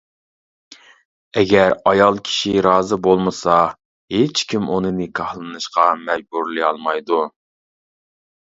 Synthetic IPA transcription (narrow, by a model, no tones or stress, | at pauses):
ɛɡʲɛɾɑjɑlˠkʲʰi̥ʃiɾɑːzɨbolˠmɨsɑ | het͡ʃkʲʰimʔunɨnɨkʰɑhlˠɨnɨʃqɑmɛd͡ʒbuɾliɑlˠmɑjd̪u